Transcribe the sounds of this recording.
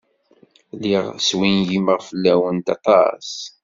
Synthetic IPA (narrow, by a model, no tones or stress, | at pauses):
liʁswinʝiməʁfəlːæwənt̪ɑ̰t̪ˤɑ̰s